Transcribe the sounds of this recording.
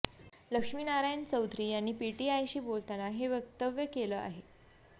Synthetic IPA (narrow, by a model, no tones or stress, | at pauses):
ləkʂmiːnaɾajnt͡səwt̪ɾiːjanːiːpiʈiajɕiːbolt̪anaɦeʋjəkt̪əʋjəkeləʔa̰ɦe